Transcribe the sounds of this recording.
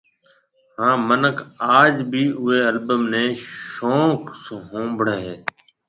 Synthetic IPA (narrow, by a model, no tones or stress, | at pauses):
hãːmənəkʰaːd͡ʒbʱiːʔʊɦeːəlbəmnẽːʃoːksɦõːbʱɽəɦeː